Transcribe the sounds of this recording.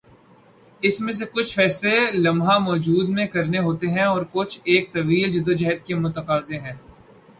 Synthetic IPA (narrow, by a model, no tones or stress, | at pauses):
ɪsmẽs̬ekʊt͡ʃʰfɛːslelɐ̃mɦamɔːd͡ʒuːd̪mẽkɐɾneɦoːt̪eɦɛ̃ɔːɾkʊt͡ʃʰeːk̚t̪ɐʋiːld͡ʒɪd̪od͡ʒɐɦət̪kemʊt̪əqaːzẽɦɛ̃ː